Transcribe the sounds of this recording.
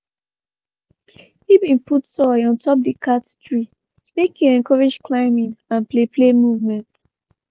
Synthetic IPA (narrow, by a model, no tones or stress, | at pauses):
hibĩnputsɔɔ̃ntɔp̚dikʰattɹi | mekʰjuɛ̃nkʰɔɹed͡ʒkʰlaɪmĩŋãnpleplemuvmɛ̃nt